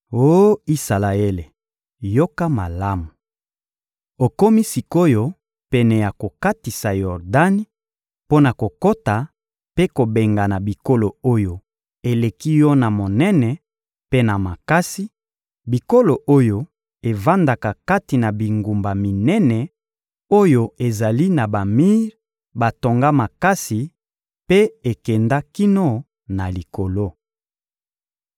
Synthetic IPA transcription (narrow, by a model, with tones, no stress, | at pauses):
o˦i˦sa˨la˨e˦le˨ | jo˦ka˦ma˨la˦mu˨ | o˨ko˦mi˦si˨ko˦jo˦ | pɛ˨nɛ˨ja˨ko˨ka˦ti˨sa˨jɔ˨ʁda˦ni˦ | po˦na˨ko˨ko˦ta˨ | pe˦ko˨be˨ŋɡa˨na˨bi˨ko˦lo˨o˦jo˨ | e˨le˨ki˦jɔ˦na˨mo˨nɛ˦nɛ˨ | pe˦na˨ma˨ka˦si˦ | bi˨ko˦lo˨ʔo˦jo˦ | e˨va˦nda˨ka˨ka˦ti˨na˨bi˨ŋɡu˨mba˨mi˨nɛ˦nɛ˨ | o˦jo˦e˨za˨li˦na˨ba˨mi˦ʁ | ba˨to˨ŋɡa˦ma˨ka˦si˨ | pe˦e˨kɛ˨nda˦ki˦no˦ | na˨li˨ko˨lo˦